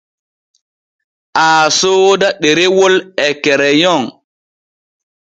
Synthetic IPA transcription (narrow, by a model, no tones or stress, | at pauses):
ʔaːsoːdaɗeɾewɔlɛkɛɾɛjɔŋ